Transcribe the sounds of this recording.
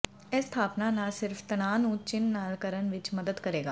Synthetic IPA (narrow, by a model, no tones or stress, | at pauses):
ɛst̪ʰaːpnanasɪɾft̪ɐñaːnũt͡ʃɪnːaːlkəɾənʋɪt͡ʃmɐd̪əd̪kɐɾeːɡaː